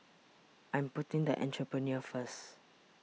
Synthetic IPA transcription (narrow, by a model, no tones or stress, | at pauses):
ʔãjmputĩŋd̪əʔɛ̰̃ntɹəpɹəniəfəs